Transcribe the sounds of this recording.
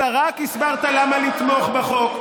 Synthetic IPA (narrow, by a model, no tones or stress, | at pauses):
aʁakisbaʁt̪alamalit̪mo̞χbaχo̞k